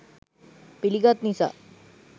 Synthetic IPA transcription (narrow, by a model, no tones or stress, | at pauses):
piliɡat̪nisa̰